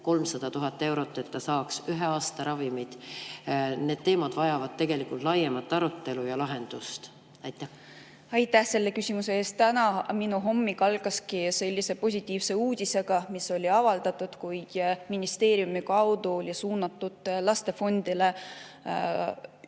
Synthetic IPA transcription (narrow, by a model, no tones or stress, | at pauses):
ko̞lmsɑd̪̥ɑt̪uɦɑt̪ːˑe̞wɾo̞t̪ːˑe̞t̪ːɑsɑːksyɦeɑːst̪ɑɾɑvimid̪̥ | ne̞ːd̪̥̚t̪e̞ːmɑd̪̥vɑjɑvɑd̪̥̚t̪e̞ɡe̞likːˑult̪lɑjemɑt̪ːˑɑɾut̪ːe̞lujɑlɑɦe̞nd̪̥ust̪ | ɑjt̪ːˑæ | ɑjt̪ːˑæhse̞lːe̞kysʲimuse̞eːst̪t̪ænɑminuɦo̞mːikɑlɡ̥ɑskise̞lʲːise̞po̞s̬ʲit̪ːˑiːvse̞uːd̪̥ʲise̞ɡ̥ɑmiso̞lʲiɑvɑld̪̥ɑt̪ːud̪̥kujd̪̥minist̪e̞ːɾjumikɑwd̪uolʲisuːnɑt̪ːˑud̪̥lɑst̪e̞fo̞nd̪̥ile̞